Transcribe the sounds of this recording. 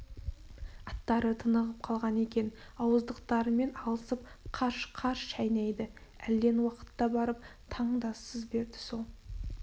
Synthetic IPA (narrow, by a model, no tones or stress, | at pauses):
ɑt̪ːɑɾət̪ʰənəʁəp̚qʰɑlˠʁɑne̞kʲe̞n | ɑwəzd̪əqt̪ɑɾəme̞nɑlˠəsəp̚qʰɑɾʃqʰɑɾʃʃæjnɑjd̪ɪæld̪e̞nwɑqə̥t̪ːɑbɑɾəp̚t̪ʰɑɴd̪ɑsəzbe̞ɾd̪ɪso̞lˠ